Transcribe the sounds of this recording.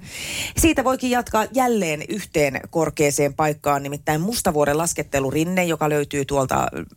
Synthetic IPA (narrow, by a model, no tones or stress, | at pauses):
siːt̪æʋo̞jkijjɑt̪kɑjælːe̞ːnyht̪eːnkorkeːse̞ːmpɑjkːɑːnnimit̪ːæimmust̪ɑʋuoɾelɑsket̪ːelurinːejokɑløyt̪yːt̪uolt̪ɑ̰